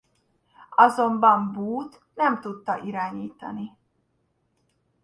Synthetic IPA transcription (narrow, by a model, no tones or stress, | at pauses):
ɒzo̞mbɒmbuːt̪ | nɛmt̪ut̪ːɒʔiɾaːɲiːt̪ɒ̰ni